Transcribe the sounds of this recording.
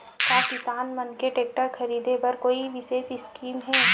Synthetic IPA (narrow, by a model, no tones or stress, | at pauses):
kaːkɪsaːnmɐnkeʈeːk̚ʈəɾxɐɾiːd̪epɐɾkoːiʋɪʃeːʃɪskiːmɦɛ